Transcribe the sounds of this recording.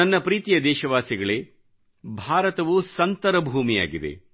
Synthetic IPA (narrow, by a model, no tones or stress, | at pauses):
ɐnːɐpɾiːt̪ijɐd̪ɛːʃɐʋaːsiɡɐɭe | bʱaːɾɐt̪ɐʋusɐnt̪ɐɾɐbʱuːmija̰ːɡid̪e̞̰